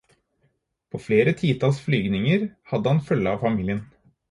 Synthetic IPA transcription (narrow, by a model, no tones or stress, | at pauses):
pʰoːfleːɾət̪ʰiːt̪ʰɑlsflyːɡnɪŋəɾhɑd̪əhɑnfœlːəɑːʋfɑmiːlɪən